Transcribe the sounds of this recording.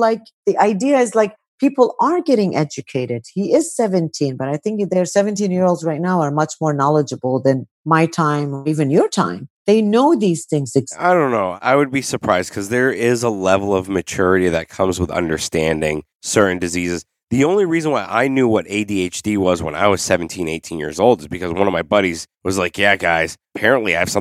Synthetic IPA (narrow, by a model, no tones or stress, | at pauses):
laɪk | ðiʔaɪdiɨɪzlaɪk̚ | pʰipl̩ˠə˞ɡɛɾɪ̃ŋʔɛd͡ʒɨkʰeɪɾɪd̥̚hiɪz̥sɛvɨ̃ntʰĩnbʌɾaɪθɪ̃ŋkðə˞sɛvɨ̃ntĩnjɪɹoʊlˠdzɹaɪtⁿnaʊə˞mʌt͡ʃmɔɹnɑlˠəd͡ʒəbl̩ˠðɨ̃n | maɪtʰãɪ̃mə˞ivɨ̃njə˞tʰã̰ɪ̃mðeɪnoʊðiz̥θɪ̃ŋzɨɡaɪdõʊ̃nːoʊa̰ɪwɨd̚bisə˞pʰɹ̥aɪzd̥̚kʰʌzðə˞ɪzəlɛvl̩ˠʌvmɨt͡ʃʰʊɹɨɾiðɨt̚kʰʌ̃mzwəðʌ̰̃ndə˞stæ̃ndɪ̃ŋ | sɜ˞ʔn̩dɨzizɨz | ðiõʊ̃nliɹizə̃n̩waɪʔa̰ɪnjʉwʌɾeɪdieɪt͡ʃd̥iwʌzwə̰̃na̰ɪwʌz̥sɛvn̩tʰĩneɪtʰĩnjɪ̰ɹzoʊlˠdɨzbɨkʰʌzwʌ̃nʌvmaɪbʌɾiz̥wʌzlaɪkjæɡaɪz̥əpʰɛɹɨ̃nʔliaɪv̥sʌ̃